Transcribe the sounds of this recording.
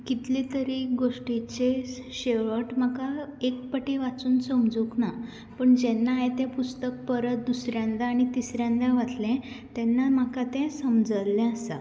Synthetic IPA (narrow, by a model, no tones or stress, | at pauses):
kit̪lit̪əɾiːɡoʂʈit͡ɕeɕeʋəʈm̤akaekpəʈiʋat͡suːnsəmd͡zukna | pəɳd͡ʑenːaːɦet̪ɛ̃pust̪ək̚pəɾət̪̚d̪usɾjãnd̪aːɽ̃it̪isɾjãnd̪aʋat̪lɛ̃ | t̪ɛnːam̤əkat̪ɛ̃səmd͡zəlːɛ̃əsa̰